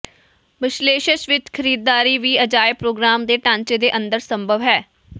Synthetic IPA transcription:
ʋɪʃleːʃəʃʋɪt͡ʃkʰəɾiːd̪ːaːɾiːʋiːəd͡ʒaːjpɾoːɡɾaːmd̪eːʈãːɲt͡ʃeːd̪eːʔə̃nd̪əɾsəmbʱəʋɦɛː

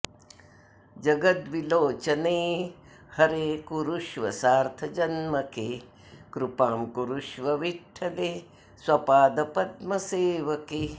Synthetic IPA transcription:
d͡ʒɐɡɐt̪ʋiloːt͡ʃɐneː | hɐɾeːkuɾuʂʋɐ̰saːɾt̪ʰɐd͡ʒɐnmɐke | kɾupaːmkuɾuʂʋɐʋiʈʰːɐle | swɐpaːd̪ɐpɐd̪mɐseːʋɐke

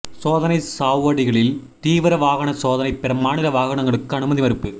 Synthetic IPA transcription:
soːðɐnɐɪsaːʋʋɐɽɪɣɐɭɪl | t̪iːʋɯɾɐʋaːɣɐɳɐsoːðɐnɐɪpɛɾɐmaːnɪlɐʋaːɣɐɳɐŋɡɐɭɯkːɯɐɳɯmɐðimɐɾɯpːɯ

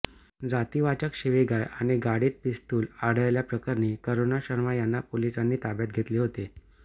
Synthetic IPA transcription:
d͡zat̪iːʋat͡ɕəkɕiʋeɡajaɽ̃iɡaɽiːt̪̚pist̪uːlaɽ̤əjljapɾəkaɾniːkəɾonaɕəɾmajanːapolisanːiːt̪abjat̪̚ɡʱet̪leːɦot̪e

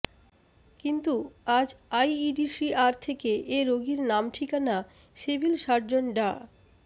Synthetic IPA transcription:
kint̪uad͡ʑajiɖiʃɾiʔaɾt̪ʰekeʔeɾoɡiɾnamʈʰikana | ʃebʱilʃaɾd͡ʑonɖa

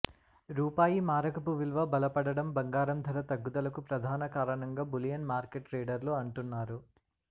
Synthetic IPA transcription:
ɾuːpaːjimaːɾɐkɐpuʋilʋɐbɐlɐpɐɽɐɽɐmbɐŋɡaːɾɐmd̪ʱɐɾɐt̪ɐɡːud̪ɐlɐkupɾɐd̪ʱaːnɐkaːɾɐɳɐŋɡaːbulijɐnmaːɾkeʈɾeːɖɐɾloːɐɳʈunːaːɾu

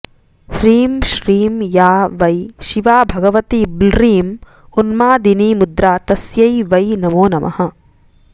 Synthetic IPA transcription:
ʃɾiːmʃɾiːmjaːʋɐjʃiʋaːbʱɐɡɐʋɐt̪iblɾiːm | unmaːd̪iniːmud̪ɾaːt̪ɐsjɐjʋɐjnɐmoːnɐmʔɐ̰hɐ̆

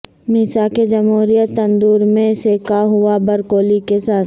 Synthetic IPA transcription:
miːsaked͡ʒɐmɦuːɾijət̪ːɐ̃nd̪uːɾmẽseːkaɦʊabɐɾkoːlikesaː

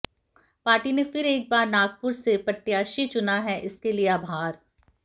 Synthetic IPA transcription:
paːɾʈinefɪɾeːk̚baːɾnaːɡ̚pʊɾsepɐʈːjaːʃit͡ʃʊnaɦɛʔɪskelieaːbʱaːɾ

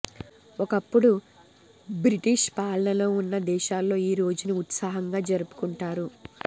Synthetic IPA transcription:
ɔkɐpːuɽu | bɾiʈiʃpaːlɐɳɐlo̞ːunːɐd̪ɛːʃaːlːo̞ːiːɾo̞ːd͡ʒuniut̪saːɦɐŋɡaːd͡ʒɐɾupu̥kuɳʈaːɾu

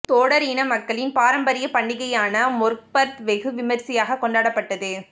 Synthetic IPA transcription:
t̪oːɽɐɾiːnɐmɐkːɐɭɪnpaːɾɐmbɐɾɪjɐpɐɳːɪɣɐjaːnɐmʊɾk̚pɐɾt̪ʋɛɣɯʋɪmɐɾsɪjaːɣɐkːɔɳɖaːɽɐpːɐʈːɐðɯ

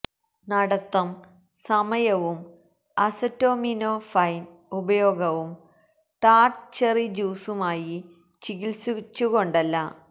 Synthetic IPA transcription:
nɐɽɐt̪ːɐm | sɐmɐjɐʋum | ɐsɐtːo̞ːminofɐjn | ubɐjo̞ːɡɐʋum | t̪aːrʈt͡ɕerid͡ʑuːsumaːji | t͡ɕiɣilsut͡ɕːuɣo̞ɳɖɐlːɐ

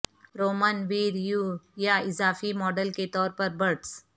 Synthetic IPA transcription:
ɾoːmənʋiːɾjujaɪzaːfimɔːɖəlket̪ɔːɾpɐɾbɐɾʈs

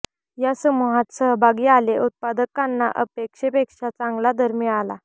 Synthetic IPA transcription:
jasəmuɦat̪səɦbʱaɡiːaleʔut̪̚pad̪əkanːa̰ʔəpekʂepekʂat͡sãŋɡlad̪ʱəɾmiʋala

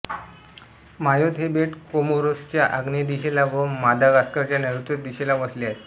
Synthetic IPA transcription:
majot̪ɦebeʈkomoɾost͡ɕjaʔaɡnid̪iɕelaʋəmad̪ʱaɡaskəɾt͡ɕjaneɾut̪ɾət̪̚d̪iɕelaʋəsljae

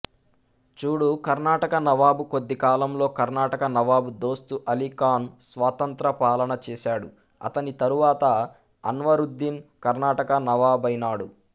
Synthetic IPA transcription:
t͡ʃuːɽukɐɾnaːʈɐkɐnɐʋaːbukod̪ːikaːlɐmlo̞ːkɐɾnaːʈɐkɐnɐʋaːbud̪o̞ːst̪uʔɐlikaːnsʋaːt̪ɐnt̪ɾɐpaːlɐnɐt͡ʃɛːsaːɽu | ɐ̰t̪ɐnit̪ɐɾuʋaːt̪ɐ | ɐ̰nʋɐɾud̪ːinkɐɾnaːʈɐkɐnɐʋaːbɐjnaːɽu

